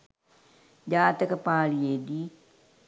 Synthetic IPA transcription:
d͡ʒaːt̪əkəpaːɭijeːd̪iː

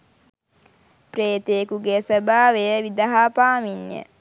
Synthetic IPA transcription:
preːt̪eːkuɡesəbaːʋejəʋid̪aɦaːpaːminjə̰

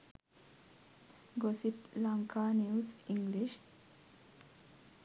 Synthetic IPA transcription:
ɡositlaŋkaːniwsiŋɡliʃ

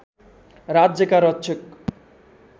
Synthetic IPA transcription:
ɾadd͡ʑekaɾɔtːɕʰek̚

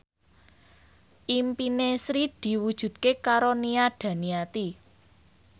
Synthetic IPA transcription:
ʔimpinesɾid̪̥i̤wud̥ʒ̥ṳd̪̚kekaɾoniaɖ̥ä̤niat̪i

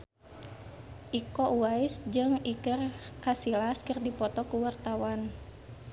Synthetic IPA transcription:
ʔikɔʔuwaisd͡ʒɨŋikərkasilaskɨrdipɔt̪ɔkuwart̪awan

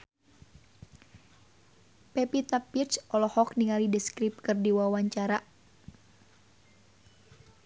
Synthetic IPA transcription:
pɛpit̪apːirt͡ʃɔlɔhɔkniŋalidəskɾip̚kɨrdiwawaɲt͡ʃaɾa

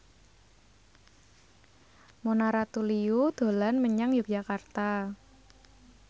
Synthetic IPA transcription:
monaɾat̪uliud̪̥o̤lanməɲaŋjuk̚d͡ʒ̥akart̪a

